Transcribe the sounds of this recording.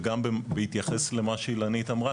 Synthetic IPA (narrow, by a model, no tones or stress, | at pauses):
ɡambbehit̪jaχesle̞maʃeilanit̪amʁa